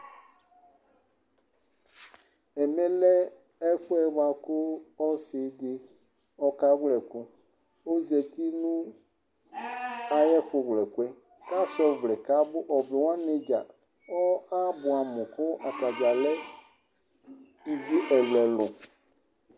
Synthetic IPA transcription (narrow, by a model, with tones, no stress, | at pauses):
ɛ˨me˦lɛ˦ | ɛ˦fʊ˦ɛ˨wa˨kʊ˦ɔ˦sɪ˨d̪ɪ˦ | ɔ˦ka˦wlɛ˨ku˦ | o˦zi˨ɛ˨t̪i˦nũ˦ | a˨jɛ˦fʊ˨wlɛ˨ku˦ɛ˦ | ka˦sɔ˦vlɛ˨ka˦bʊ˦ʔɔ˨be˨wõ˦ã˦ne˨d͡ʒa˨ | ɔ˦a˦bʊ˨a˨mʊ̃˨kʊ˦ʔa˨ka˨d͡ʒa˨lɛ˦ | i˨vi˦ʔɛ˨lɛ˨lʊ̃˨